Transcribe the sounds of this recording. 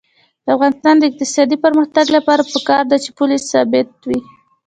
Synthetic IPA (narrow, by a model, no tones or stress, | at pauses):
d̪̥əafɣɑnɪst̪ɑnd̪əɪq̚t̪ɪsɑd̪ipəɾməxt̪aɡlapɑɾapəkɑɾd̪at͡ʃepʊlisːɑbɪt̪̚wi